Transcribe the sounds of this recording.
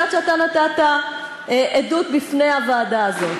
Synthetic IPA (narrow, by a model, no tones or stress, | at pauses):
atʃeat̪anat̪at̪a | ʔed̪ut̪̚bifnejhavaːd̪aːzo